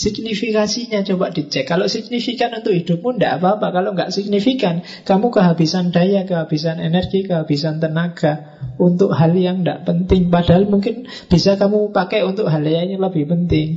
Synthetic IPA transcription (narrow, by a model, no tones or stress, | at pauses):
siɡnifikasiɲat͡ʃobaʔd̥it͡ʃɛkːaloʔsiɡ̚nifikanunt̪ʊkɦidʊp̚mundaʔapaːpakaloŋɡaʔsiɡ̚nifikan | kamukəɦabisandajakəɦab̥is̬anenɛrɡ̥ikəɦab̥isant̪ənaɡ̥a | unt̪ʊk̚ɦaljaŋnda̰ʔpənt̪ɪŋpadaɦalmuŋkɪn | b̥isakamupakajunt̪ʊkɦaljaɲaləb̥ɪhpənt̪ɪŋ